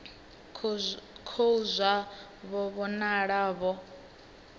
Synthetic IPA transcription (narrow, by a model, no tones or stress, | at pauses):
kʰouzʷa | βɔβɔnaɺaːβɔ